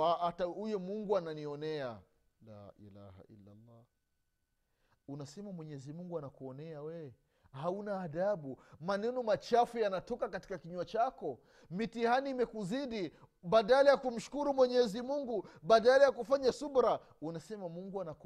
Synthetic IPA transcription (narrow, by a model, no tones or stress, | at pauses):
aataujɔmuŋɡuananiɔnɛa | la̰ʔḭla̰ha̰ḭlːa̰lːɑ | unasɛmamwɛɲɛzimuŋɡuanakuɔnɛawɛ | haunaːðaɓumanɛnɔmat͡ʃafujanatɔkakati̥kakiɲuat͡ʃakɔ | mitihaniːmɛkuziɗi | baɗalajakum̩ʃu̥kuɾumwɛɲɛzimuŋɡuɓaɗalajakufaɲasubɾa | unasɛmamuŋɡuanak